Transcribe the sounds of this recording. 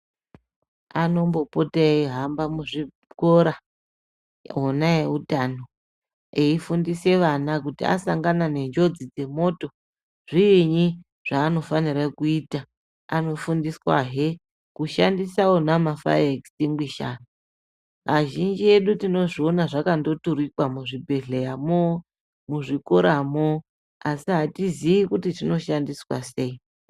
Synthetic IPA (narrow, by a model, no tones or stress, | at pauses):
ano̞mbo̞poteiɦambamuʐi | ko̞ɾa | ɦonaeutano̞ | eifundise̞ʋanak̬utia̰saŋɡanane̞nd͡ʒo̞d͡zid͡ze̞mo̞to̞ | ʐ̥iːɲi | ʐ̥aːno̞faniɾakuita | ano̞fundiswa̰ɦe | kuʃandisawo̞namafa̰eksimɡwiʃana | aʒind͡ʒie̞ɗutino̞ʐio̞naʐakando̞tuɾikwamuʐibʱe̞ɮejamo | muʐikoɾamo | asiɦatiziʋikutitino̞ʃandiswa̰se̞i